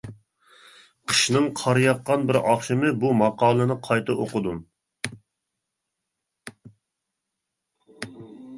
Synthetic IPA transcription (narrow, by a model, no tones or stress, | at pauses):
qʰə̥ʃnɨŋqʰɑɾɨjɑqːɑnbɪɾɑχʃɨmɨbumɑqʰɑːlˠɨnɨqʰɑjt̪ʰɨʔoqʊd̪um